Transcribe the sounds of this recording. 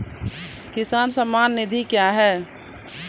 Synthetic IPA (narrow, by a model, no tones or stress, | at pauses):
kɪsaːnsəmːaːnːɪd̪ʱikjaɦɛː